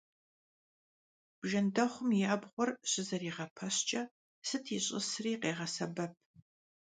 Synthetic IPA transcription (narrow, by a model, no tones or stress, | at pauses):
b̥ʒɐndɐχʷʊmjaːbʁʷɔrɕɪzɐriːʁɐpʰɐɕt͡ʃʼɐ | sɨtʰiɕʼɪ̰sriːqeːʁɐsɐbɐp̚ʰ